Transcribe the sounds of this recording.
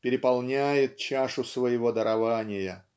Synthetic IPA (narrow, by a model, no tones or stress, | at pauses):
pʲɪɾʲɪpɐlˠnʲæjɪt̪̚t͡ɕaʂʊsvəjɪvod̪əɾʔɐvanʲɪjə